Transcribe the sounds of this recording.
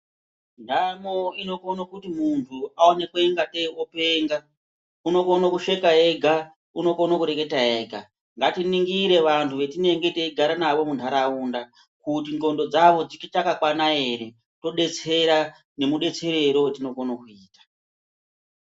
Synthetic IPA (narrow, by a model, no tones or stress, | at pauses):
namoino̞konokutimuntʰuaone̞kweŋɡate̞ope̞ːŋɡa | uno̞konokuʂe̞kae̞ɡʱa | uno̞konokuɾe̞ke̞tae̞ːɡʱa | ŋɡatiniŋɡiɾe̞ʋantʰuʋe̞tine̞ŋɡeteiɡʱaɾanaʋo̞muntʰaɾaunda | kutiŋɡo̞ndo̞d͡zaʋo̞d͡zikitakakwanae̞ɾe̞ | to̞ɗe̞t͡se̞ɾa | ne̞muɗe̞t͡se̞ɾe̞ɾo̞wetino̞konokuiːtḁ